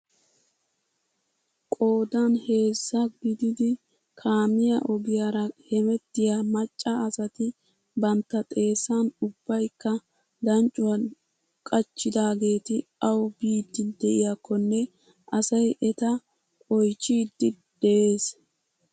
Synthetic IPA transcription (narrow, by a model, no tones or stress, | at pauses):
kʼo̞ːd̪anhe̞ːsːɐɡɪd̪ɪd̪ɪ | kʰaːmɪjɐʔɔbɪjaɾɐhɛmɛt̪ːɪjamɐt͡ʃʼːɐːsɐt̪ɪ | bɐnt̪ːɐt̪ʼe̞ːsːanʊbːɐjkːɐ | d̪ɐnt͡ʃʼʊwɐn | kʼɐt͡ʃːɪd̪aːɡe̞ːt̪ɪɐwbiːd̪ːɪd̪ɛʔɪjakːɔnːɛ | ʔɐsɐjʔɛt̪ɐ | kʼɔjt͡ʃːiːd̪ːɪ | d̪̥ɛʔeːs